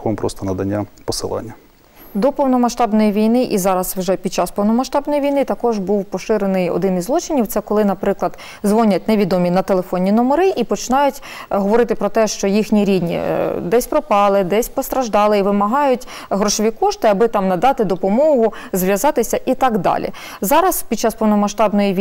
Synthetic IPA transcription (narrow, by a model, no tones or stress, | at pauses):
xɔmpɾɔ̰st̪ɔnɐd̪ɐnʲːapɔsɪ̰lˠɑ̰nʲːɐ | d̪ɔpɔwnɔmɐʃt̪ɑbnɔjiʋʲijnɪʔizɑɾɐswʒɛpʲid̪̚t͡ʃɑspɔwnɔmɐʃt̪ɑbnɔjiʋʲijnɪt̪ɐkɔʒbuwpɔʃɪɾenɪjɔ̰d̪ɪnizlˠɔt͡ʃɪnʲiwt̪sɛkɔlˠɪnɐpɾɪklˠɐd̪ | zʋɔnʲɐt̚ʲneʋʲid̪ɔmʲinɐt̪elˠefɔnʲːinɔmeɾɪʔipɔt͡ʃɪnɑjʊtʲ | ɦɔʋɔɾɪt̪ɪpɾɔt̪ɛʃt͡ʃɔjixnʲiɾʲid̪ʲnʲḭd̪ɛsʲpɾɔpɑlˠɪd̪ɛsʲpɔst̪ɾɐʒd̪ɑlˠɪiʋɪmɐɦɑjʊtʲ | ɦɾɔʃɔʋʲikɔʃt̪ɪɐbɪt̪ɑmnɐd̪ɑt̪ɪd̪ɔpɔmɔɦʊzʋʲjɐzɑt̪ɪsʲɐʔit̪ɑɡd̪ɑ̰lʲḭ | zɑɾɐspʲid̪̚t͡ʃɑspɔwnɔmɐʃt̪ɑbnɔjiʋʲ